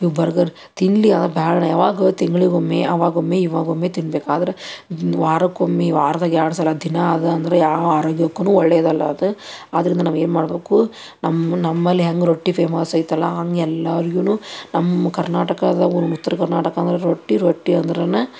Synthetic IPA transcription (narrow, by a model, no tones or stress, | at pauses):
iʋbɐɾɐɡɐɾ | t̪iɳliɐnd̪ɐɾebʱaːɭɐɳɐjaːʋaːɡɐt̪iŋɡɐɭiɡomːeɐʋaːɡomːeiʋaːɡomːeːt̪inbeːkuaːd̪ɐɾeʋaːɾɐkomːiʋaːɾɐd̪aːɡiaːɽs̬ɐlːɐd̪ʱinɐɐd̪ɐɐnd̪ɐɾejaːʋaːɾoːɡjɐkːɐnuːɔɭːɛjɐd̪ɐlːɐɐd̪ɨaːd̪ɐɾind̪ɐnaːʋeːnmaːɽɐbeːku | nɐmːɐnɐmːɐlːiɦɐŋɡɾoʈːipʰeːmɐːsɐjt̪ːɐlːɐɦɐŋɡɛlːɐɾiɡunuːnɐmːɐkɐɾnaːʈɐkɐd̪ɐonut̪ːɐɾɐkɐɾnaːʈɐkɐːnd̪ɐɾeɾoʈːiɾoʈːiɐnd̪ɐɾenɐ